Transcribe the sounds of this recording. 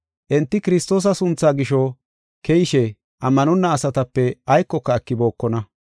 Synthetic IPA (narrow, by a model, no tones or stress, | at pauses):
ʔɛnt̪ːɪkɪɾɪst̪oːs̬ɐsʊnt͡sːaːɡɪʃɔ | kɛjɪʃɛ | ʔɐmːɐnɔnːɐːsɐt̪ɐpːɛɐjkːɔkːɐːkːɪbo̞ːkːɔnɐ